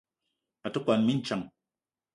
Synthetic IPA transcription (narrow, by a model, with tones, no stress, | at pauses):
a˨t̪o˦kʷa˨nmi˦nt͡ʃa˨ŋ